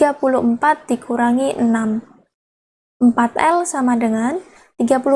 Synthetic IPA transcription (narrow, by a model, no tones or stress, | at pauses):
apuluʔmpat̪̚d̥ikʰuɾaŋinam | mpat̪̚ɛ̰lsamadəŋan | t̪iɡapulu